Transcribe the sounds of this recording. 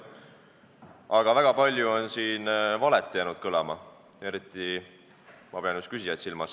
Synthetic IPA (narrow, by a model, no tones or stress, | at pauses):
ɑɡ̥ɑvæɡ̥ɑpɑlʲjuo̞nsiːnvɑlet̪ˑːjæːnud̪̥̚kɤlɑmɑ | e̞ɾit̪ːˑi | mɑpe̞ɑnjyskysijɑt̪silmɑs